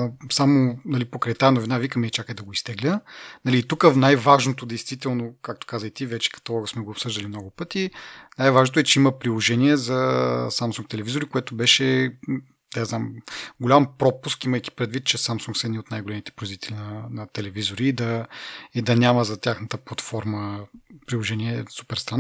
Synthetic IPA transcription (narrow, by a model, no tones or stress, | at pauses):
samonɐlipokɾɐjt̪aːnovinavikəmɛɛt͡ʃakəjd̪ɐɡoist̪ɛɡlʲənɐliːt̪ukənajvaʒnot̪od̪ɛjst̪vit̪ɛlˠnokak̚t̪o̥kazəjt̪ivɛt͡ʃɛ̥kɐ̥t̪ɐlˠɔɡəsmɛɡoːpsɤʒd̪əlimnɔɡʊpɤt̪inajvaʒnot̪ʊɛt͡ʃɛimɐpɾilˠoʒɛniɛzɐsamsũŋk̚t̪ɛlɛvizoɾikoɛt̪ʊbɛʃɛ | d̪aznamɡolʲampɾɔpuskiməjki̥pɾɛd̪vit̪̚t͡ʃɛsamsuŋksɛd̪nʲiot̪najɡolɛmit̪ɛ̥pɾizvit̪ɛlinɐnɐt̪ɛlɛvizoɾiːd̪ɐid̪ɐnʲamɐzɐt̪ʲaxnət̪əplˠɐt̪fɔɾməpɾilˠoʒɛniɛsu̥pɛɾst̪ɾan